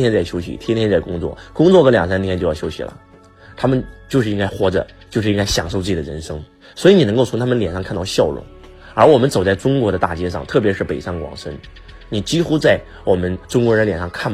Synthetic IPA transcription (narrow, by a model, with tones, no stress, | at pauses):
jɛ˥nt͡sa˥˩ɪɕjo˥ʊɕḭ˨˩t̪ʰjɛ˥nt̪ʰjɛ˥nt͡sa˥˩ɪkʊ˥ŋt͡swɔ̰˥˩kʊ˥ŋt͡swɔ˥˧kɤ˧˥ljɑ˨˩ŋs̬a˥nt̪ʰjɛ˥nt͡ɕjo˥˧jɑ˥˩jo˥ʊɕḭ˩lə̰˦ | t̪ʰa˥mə˨nt͡ɕjo˥˧ʂɻ̩˥˩i˧˥ŋka˥ɪxwɔ˧˥ʈ͡ʂə̰˧ | t͡ɕjo˥˧ʂɻ̩˥˧i˥ŋka˥ɪɕjɑ̰˨˩ŋʂ̬o˥˧t͡sɹ̩˥˩t͡ɕi˨˩d̪ə˧ɻə̰˧˥nʂɤ˥ŋ | swɔ˧˥i˧˥ni˨˩n˧˥ko˥˩ʊt͡sʰʊ˧˥ŋt̪ʰa˥mə˧nljɛ˨˩nʂɑ˥˧ŋkʰnt̪ɑ˥˧ʊɕjɑ˥˩ʊɻʊ̰˧˥˦ŋ | ə˞˧˥wɔ˨˩mə˦nt͡so˨˩ʊt͡sa˥˩ɪʈ͡ʂʊ˥ŋkwɔ˧˥ɾə˧t̪a̰˥˩t͡ɕjɛ˥ʂ̬ɑ̰˥˧ŋt̪ʰɤ˥˩pjʂɻ̩˥˩pe˨˩ɪʂɑ˥˩ŋkwɑ̰˨˩ŋʂə˥n | ni˨˩t͡ɕi˥xu˥t͡sa˥˩ɪ | wɔ˨˩mə˦nʈ͡ʂʊ˥ŋkwɔ˧˥ɻə˧˥nljɛ˨˩nʂɑ˥˧ŋkʰa˥˩n